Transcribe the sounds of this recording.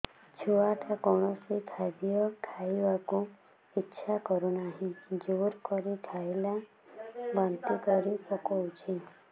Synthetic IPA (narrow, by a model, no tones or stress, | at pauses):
t͡ʃʰuaʈʰakɔɽ̃ɔsikʰad̪ijɔkʰaiʋakũ | itːʃʰakɔɾunaɦĩd͡ʒoɾkɔɾikʰaela | bɔnt̪ikɔɾipɔkɔwt͡ʃʰi